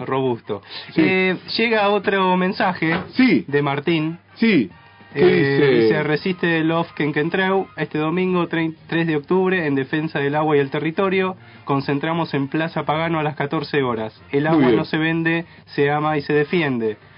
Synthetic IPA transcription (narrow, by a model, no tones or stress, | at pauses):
ro̞βust̪oseʒe̞ɣao̞t̪ɾomẽnsaxesid̪emaɾt̪in | si | sseresist̪elofkeŋkent̪ɾewe̞st̪eðo̞mĩŋɡot̪ɾt̪ɾezðeo̞k̚t̪uβɾe̞ːnd̪e̞fe̞nsaðelaɣwaiðelt̪erit̪o̞ɾjo̞ | ko̞nse̞nt̪ɾamo̞se̞mplasapaɣanoalaskat̪o̞ɾseo̞ɾas | elaɣwano̞se̞βe̞nd̪e | seamaise̞ðefje̞nd̪e̞